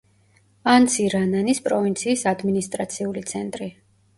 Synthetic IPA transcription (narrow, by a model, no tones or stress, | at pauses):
ant̪sʰiɾananispʼɾɔvint̪sʰiːsad̪minist̪ʼɾat̪sʰiulit̪sʰɛnt̪ʼɾi